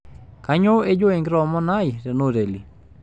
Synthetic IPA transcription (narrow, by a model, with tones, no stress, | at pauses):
ka˨ɲo˦e˦d͡ʒo˦e˨ŋɡɾɔ˨mɔ˦na˦jɾe˨no˦˨ɾe˨li˨